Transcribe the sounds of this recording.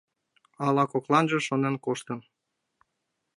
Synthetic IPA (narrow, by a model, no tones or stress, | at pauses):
ɑlɑkoklɑnʒəʃonenkoʃt̪ən